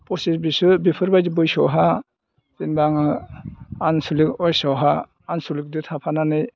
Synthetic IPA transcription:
pɔsiɾbisɯbipʰɯɾbajdibɯjsɔwɦa | tinbaŋ | ansulikɔjsɔwɦaː | nsulik̚dɯt̪ʰapʰananɯj

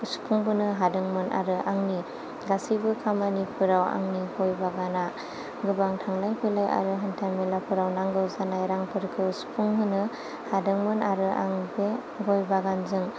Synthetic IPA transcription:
uspʰuŋbɯnɯɦadɯŋmɯnʔa̰ɾɯʔaŋni | ɡasibɯkʰamanipʰɯɾawa̰ŋnihojbaɡana | ɡɯbaŋtʰaŋlajpʰɯjlaja̰ɾɯɦantʰamilapʰɯɾawnaŋɡɯwzanajɾaŋpʰɯɾkʰɯspʰuŋbɯnɯ | hadɯŋmɯnaɾɯʔa̰ŋbe | ɡojbaɡanzɯŋ

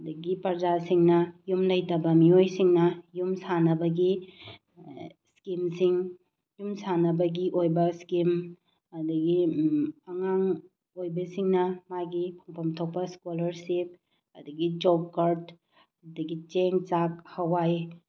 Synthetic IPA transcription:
dɐɡipɐɾd͡ʒasiŋnɐjumlɐjtɐbɐmiojsiŋnɐjumsanɐbɐɡi | skimsiŋ | jumsanɐbɐɡiʔojbɐskim | ɐdɐɡi | ɐŋaŋ | ojbɐsiŋnɐmajɡipʰɐŋpʰɐmtʰok̚pɐskolɐɾsip̚ | ɐdɐɡid͡ʒob̚kaɾd | ɐdɐɡit͡ʃeŋt͡ʃak̚hɐwaj

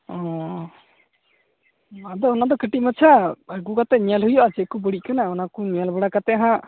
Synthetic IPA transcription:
ɔ̃ | ad̪ɔɔnad̪ɔkəʈimat͡ʃʰaəɡukat̪ɛɲialɦujɔʔad͡ʒɛʔkubəɽiʔkanaɔnakuɲialbəɽakat̪ɛaɦã

